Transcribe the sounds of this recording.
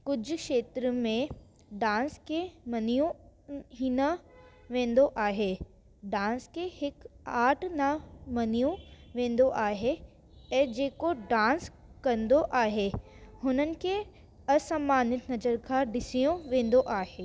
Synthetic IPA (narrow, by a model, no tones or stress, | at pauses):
kʊd͡ʑʱʊ̆kʃeːt̪ɾmẽ | ɖãːnskʰemɐnijũɦiːnəʋẽːn̆d̪oʔaːɦe | ɖãːnskʰehɪkaːʈʰnɐmɐnijũʋẽːn̆d̪oʔaːɦe | ɛ̃ːd͡ʑeːkoɖãːns | kɐ̃nd̪oʔaːɦe | hʊnənɪ̆kʰe | ɐsɐmaːnɪt̪nɐzəɾkʰãːɖɪsijũʋẽːn̆d̪oʔaːɦeː